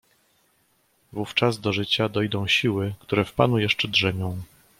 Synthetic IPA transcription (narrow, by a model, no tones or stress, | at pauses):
vuft͡ʂazd̪ɔʐɘt͡ɕad̪ɔjd̪ɔ̃w̃ɕiwɘkt̪uɾɛfpa̰nujɛʂt͡ʂɛdʐɛmʲjɔ̃w̃